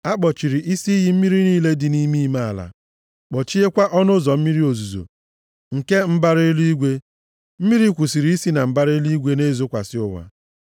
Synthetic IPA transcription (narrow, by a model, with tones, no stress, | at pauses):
a˦k͡pɔ˨t͡ʃi˨ɾi˨ʔi˦si˦ɦi˨m̩˦mi˦ɾi˦niː˦le˦dɪ˨ni˦mi˦ma˦a˨la̰˨ | k͡pɔ˨t͡ʃi˦e˦kʷa˦ʔɔ˦nʊ˦zɔ˨m̩˦mi˦ɾi˦o˨zu˨zo̰˨ | ŋ̩˨ke˦m̩˦ba˦ɾɪ˦lu˦i˦ɡʷe˦ | m̩˦mi˦ɾi˦kʷu˨si˨ɾi˨˦i˦si˦na˨m̩˦ba˦ɾɪ˦lu˦i˦ɡʷe˦ne˦˨zo˦kʷa̰˨sɪ˦ʊ˨wa̰˨